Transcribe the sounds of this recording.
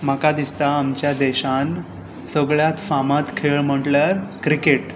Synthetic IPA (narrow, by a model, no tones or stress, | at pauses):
m̤əkad̪ist̪aːmt͡ɕjad̪ɛɕan | səɡɭjat̪famat̪kʰeɭm̤əʈlaɾkɾikeʈ